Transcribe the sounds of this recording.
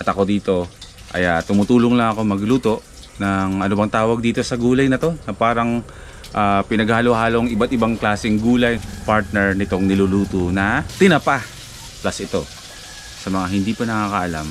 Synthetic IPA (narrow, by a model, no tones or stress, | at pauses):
ʔɐt̪ɐko̞d̪iːt̪o̞ | ʔɐ̰jat̪ʊmʊt̪uːloŋlɐŋɐko̞mɐɡluːt̪o̞ʔ | nɐŋʔɐnobɐŋt̪aːwɐɡ̚d̪iːt̪o̞sɐɡuːlɐjnɐt̪o̞nɐpaːɾɐŋ | ʔaːpɪnɐɡhaalohaːloŋɪbat̪̚ɪbaŋklaːsɪŋɡuːlɐjpaɹt̪̚nɛɹnɪt̪o̞ŋnɪluluːt̪onɐt̪ɪnɐpa | plɐsʔɪt̪o̞ | sɐmɐŋahɪnd̪ipɐnɐŋaːkɐʔɐla̰m